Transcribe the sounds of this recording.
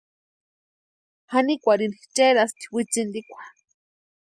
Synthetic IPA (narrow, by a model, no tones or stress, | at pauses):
hanikʷaɾinit͡ʃeɾast̪i̥wit͡sind̪ikʷḁ